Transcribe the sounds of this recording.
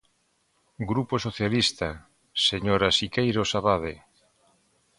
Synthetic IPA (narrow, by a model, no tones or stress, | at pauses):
ɡɾuposoθjalist̪a | seɲoɾasikejɾosaβaðe